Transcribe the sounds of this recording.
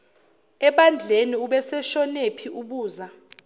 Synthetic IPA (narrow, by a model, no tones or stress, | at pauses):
ɛɓand͡ɮʱeniuɓɛsɛʃɔnepʰiʔuɓuːza